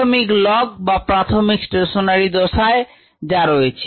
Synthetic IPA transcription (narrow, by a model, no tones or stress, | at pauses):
omiklɔɡ̚bapɾat̪ʰomiksʈeʃonaɾid̪oʃae | d͡ʑaɾojet͡ɕʰe